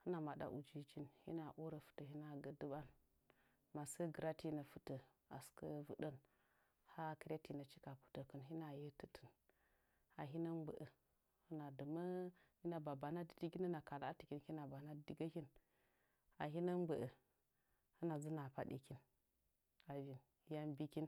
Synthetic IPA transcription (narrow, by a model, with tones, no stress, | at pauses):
hə˦na˨ma˨da̰˨ʔu˨d͡ʒi˦t͡ʃi˦nhḭ˦na˨ʔo˦ɾə˨fu̥˨tə˨hi˦na˨ɡə˨də˦ba˦n | ma˨sə˦ɡə˨ɾa˦ti˦na˨fu˦tə˨ | a̰˨skə˦vṵ˨ɗə˦n | ha˦kə˦ɾa˦ti˨na˨t͡ʃi˦ka˨pu̥˨tə˨kə˨nɦi˦na˨jə˦tə˨tʰə̥˨n | a˨ɦi˦nə˦nbə̰˨ʔə˨ | hə˦na˨də˨mə˦hi˦na˨ba˨ba˨na˦di˨di˦ɡi˦nə˦na˨ka˨la˦ti˨kʲi˦nhi˦na˨ba˨na˦˨di˨ɡə˦hi˦n | a˨ɦi˦nə˦nɡ͡bə˨ʔə˨ | hə˦na˨zə˦na˨pa˦ɗi˨ki˦n | a˨vi˨n˦ | ja˦nbi˦ki˦n